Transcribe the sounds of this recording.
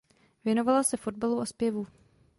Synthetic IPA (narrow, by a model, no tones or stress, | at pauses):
vjɛno̞valasɛfo̞dbaluʔospjɛvu